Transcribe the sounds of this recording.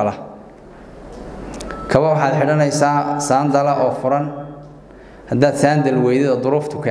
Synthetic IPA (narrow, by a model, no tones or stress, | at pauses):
ɐlɐ | kʰɐβɐwɑħɑːd̪ħɪɽɐnɛjsaːsaːnd̪ɐlɐʔɔːfʊɾɐn | hɐd̪aːd̪saːnd̪ɐlwɛjðɪðɐd̪ʊɾʊːft̪ʰʊ̥kʰɐ